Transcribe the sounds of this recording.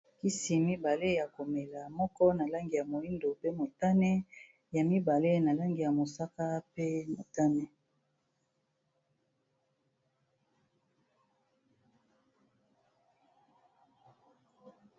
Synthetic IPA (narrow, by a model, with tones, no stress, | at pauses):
ki˦si˨mi˦ba˨le˦ja˨ko˨me˨la˨mɔ˦kɔ˦na˨la˦ŋɡi˨ja˨mo˨i˦ndo˨pe˦mo˨ta˦nɛ˦ | ja˨mi˦ba˨le˦na˨la˦ŋɡi˨ja˨mo˨sa˦ka˦pe˦mo˨ta˦nɛ˦